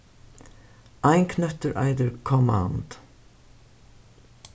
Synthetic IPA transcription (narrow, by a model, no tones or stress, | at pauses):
aɪŋkʰnœt̪əɹʔa̰ɪd̪əɹkʰɔma̰ːnd̪̥